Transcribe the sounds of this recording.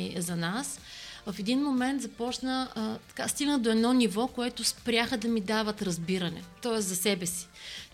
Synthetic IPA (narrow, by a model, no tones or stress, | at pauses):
zɐnasvɐfɛd̪inmomɛnt̪zɐpɔt͡ʃnət̪ɐ̥kast̪iɡnəd̪oɛd̪nɔnivɔkoɛt̪ʊspɾʲjaxəd̪ɐmid̪avət̪ɾɐzbiɾɐnɛ̰t̪ɔɛszɐsɛbɛsi̥